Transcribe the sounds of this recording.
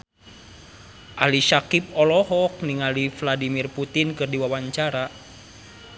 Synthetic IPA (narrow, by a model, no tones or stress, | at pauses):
ʔaliʃakip̚ɔlɔɦɔk̚niŋalifladimirput̪inkɨrdiwawaɲt͡ʃaɾa